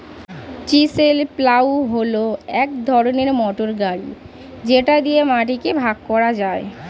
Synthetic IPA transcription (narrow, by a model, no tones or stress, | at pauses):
t͡ɕiselplawɦoloɛkd̪ʱɔɾoneɾmɔʈoɾɡaɽḭ | d͡ʑeʈad̪ijemaʈikebʱaɡkɔɾad͡ʑae